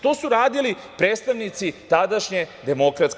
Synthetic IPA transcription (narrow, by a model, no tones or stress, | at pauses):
t̪osuɾaːd̪ilipɾet̪st̪aʋnit̪sit̪ad̪aʃɲed̪e̞mo̞kɾat̪s